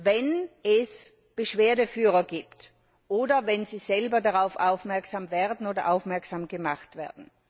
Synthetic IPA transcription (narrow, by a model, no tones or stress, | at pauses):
vɛnɛs | b̥əʃv̥eːɐdəfyːʁɐɡiːpt | ʔoːdɐvɛnziːz̥ɛlbɐdaʁaʊfaʊfmɛɐksaːmvɛːɐdn̩oːdɐʔaʊfmɛɐksaːmɡəmaχtv̥ḛːɐdn̩